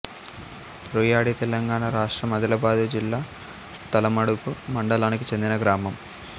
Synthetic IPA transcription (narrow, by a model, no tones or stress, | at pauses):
pɾuːjaːɽit̪ɛlɐŋɡaːɳɐɾaːʂʈɾɐmɐd̪ʱɐlɐbaːd̪ud͡ʒilːaː | t̪ɐlɐmɐɽukumɐɳɖɐlaːnikit͡ʃe̞nd̪inɐɡɾaːmɐm